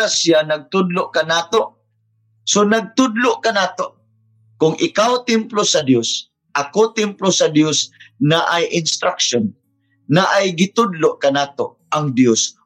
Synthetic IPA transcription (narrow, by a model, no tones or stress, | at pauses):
asjanɐɡ̚t̪ʊd̪loʔkanaːt̪oʔ | sonaɡ̚t̪ʊd̪loʔkɐnaːt̪oʔ | kʊŋʔɪkawt̪ɪmplosɐd̪jos | ʔakot̪ɪmplosɐd̪josnaʔajʔɪnst̪ɾakʃonː | aʔajɡɪt̪ʊd̪loʔkɐnaːt̪oʔ | aŋd̪jos